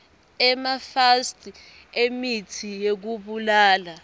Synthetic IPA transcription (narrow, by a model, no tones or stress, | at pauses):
ɛmafastʰʼ | emitʰijek̬uɓulaːla